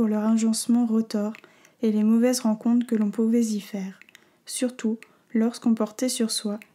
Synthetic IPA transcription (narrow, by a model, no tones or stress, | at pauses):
uʁlœʁɑ̃ʒɑ̃smɑ̃ʁət̪ɔʁ | elemɔvɛzʁɑ̃kɔ̃t̪χkəlɔ̃puvɛzifɛːʁ | syʁt̪u | lɔʁskɔ̃pɔʁt̪ɛsyʁswa